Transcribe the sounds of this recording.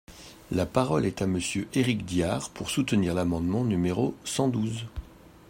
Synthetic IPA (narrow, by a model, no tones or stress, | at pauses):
lapaʁɔlɛt̪aməsjøʔeʁikd̪jaʁpʰuʁsut̪əniʁlamɑ̃d̪mɑ̃nymeʁosɑ̃d̪uz